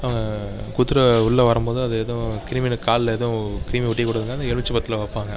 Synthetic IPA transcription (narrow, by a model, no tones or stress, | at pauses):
ɐʋɐŋɡɐkut̪ːɯɾɐʊɭːɐʋɐɾɐmboːðɯɐðɯeːðɐ̃kɪɾiminkaːllɐeːðɐ̃kɪɾiːmiʋʊʈːikːʊɽɯðɯŋɡɐnɛɭʋɪt͡ʃːɯpɐt̪ːɪlɐʋɐɾpːaːŋɡɐ